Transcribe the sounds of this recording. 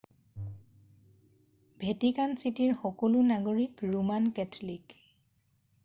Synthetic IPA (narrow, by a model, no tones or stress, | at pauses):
bʱetikansitiɹxɔkɔlʊnaɡoɹikɹumankɛtʰɔlik